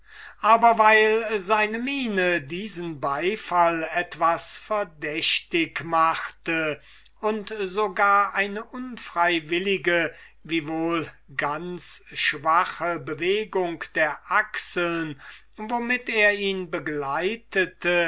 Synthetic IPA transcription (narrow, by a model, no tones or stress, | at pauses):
ʔaːbɐvaɪlzaɪnəmiːnədiːzənbaɪfalɛtv̥asfɛɐdɛɕtɪkmaχtə | ʊntzoɡaːɐʔaɪnəʔʊnfʁ̥aɪvɪlɪɡə | viːvoːl | ɡant͡sʃv̥aχəbəveːɡʊŋkd̥eːɐʔaksl̩n | vomɪteːɐiːnbəɡlaɪtʰətə